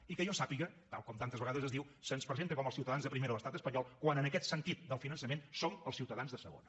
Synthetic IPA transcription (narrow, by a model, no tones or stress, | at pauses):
ikəʒɔsapiɣət̪a̰lˠkɔmt̪ant̪əzβəɣaðəzəzðiwsənspɾəzent̪əkɔməlˠsiwt̪əðanzðəpɾimeɾələst̪at̪əspəɲɔlˠkwanənəkɛt̪sənt̪it̪̚d̪əlˠfinənsəmensoməlˠsiwt̪əðanzðəsə̰ɣo̰nə